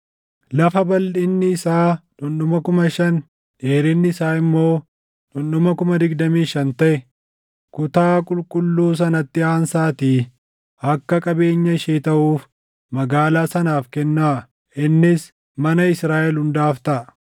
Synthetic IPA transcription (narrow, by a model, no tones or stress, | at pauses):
lɐfɐbɐlᶑɪnːɪːsaːᶑʊnɗʊmɐkʊmɐʃɐn | ᶑeːɾɪnːɪɪsaːɪmːo̞ː | ᶑʊnɗʊmɐkʊmɐd̪ɪɡd̪ɐmiːʃɐnt̪ɐʔɛ | kʊt̪aːkʼʊlkʼʊlːuːs̬ɐnɐt̪ːɪaːnsaːt̪iː | ɐkːɐkʼɐbe̞ːɲːɐɪʃeːt̪ɐʔuːf | mɐɡaːlaːsɐnaːfkɛnːaː | ʔɪnːɪs | mɐnɐɪsɾaːʔɛlhʊnd̪aːft̪ɐʔ